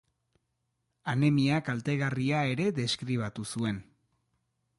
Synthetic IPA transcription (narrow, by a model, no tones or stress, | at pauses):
anemiakalt̪e̞ɣariae̞ɾe̞ðe̞skɾiβ̞at̪usue̞n